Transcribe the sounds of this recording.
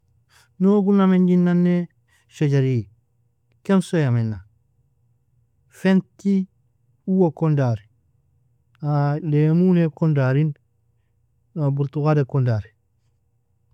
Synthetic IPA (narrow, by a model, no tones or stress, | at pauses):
noɡunameɲɟinːanːe | ʃoɟaɾi | kemsojamenːa | fenti | uwokondaɾi | alemunekondaɾin | nobuɾtukadekondaɾi